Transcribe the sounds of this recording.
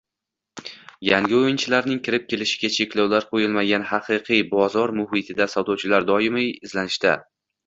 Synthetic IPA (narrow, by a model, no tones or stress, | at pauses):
jaŋɡʲɪojɪnt͡ʃʰɪlaɾnɪŋkʲʰɪɾɪp̚kʲʰe̞lɪʃɪ̥ɡʲat͡ʃʰe̞kʲlɒwlaɾqʰojɪlˠmaɡʲanhɑqʰɨqʰɨjbɒzɒɾmʊɦɪt̪ʰɪd̪asawd̪ɒwt͡ʃʰɪlaɾd̪ɒjɪmɪjɪzlanɪʃt̪a